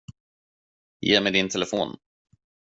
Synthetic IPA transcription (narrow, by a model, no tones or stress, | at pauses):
jḛːmɛjd̪ɪnt̪ʰɛlɛfo̰ːn